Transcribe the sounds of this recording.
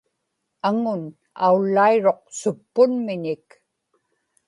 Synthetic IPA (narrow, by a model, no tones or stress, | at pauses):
aŋʊn | a̰ulːaiɻo̞q̚sʊpːʊnmɪɲɪk